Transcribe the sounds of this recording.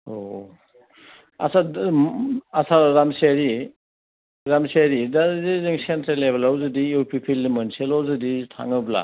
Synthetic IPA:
o | a̰sa | asaɾamsaɾi | ɾamsaɾidaziziŋsentɾelːebelawzɯdiuwpʰipʰilimanselawzɯditʰa̰ŋɯbla̰

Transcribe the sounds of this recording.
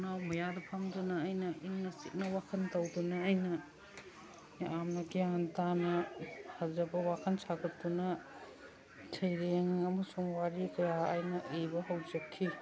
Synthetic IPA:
nawmɐjadɐpʰɐmdunɐːjnɐʔiŋnɐsit̚nɐwakʰɐntɐwdunɐːjnɐ | amnɐɡijantanɐhɐzɐbɐwakʰɐnsʰaɡʰɐtːunɐ | tʰɐjɾeŋɐmɐsuŋwaɾikɐja̰ːjnɐʔebɐɦɐwd͡ʒɐkʰːi

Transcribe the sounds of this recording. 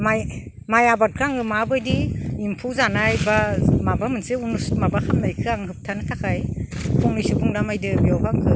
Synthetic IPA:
maj | majabat̚kʰɯaŋɯmabɯjdiimpʰuwzanajbamabamɯnsɯunusmabakʰamnajkʰɯaŋɦɯp̚tʰanɯtʰakʰajpʰuŋnɯjsɯpʰuŋdamajdɯbijawkʰaŋkʰɯ

